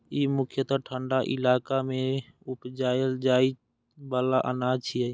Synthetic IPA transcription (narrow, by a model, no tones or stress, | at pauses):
imʊkʰjət̪ɔʈʰəɳɖaʔɪ̰laːkamẽ | upd͡ʒaːjəld͡ʒaːi | baːlaʔə̰nat͡ʃʰiɛ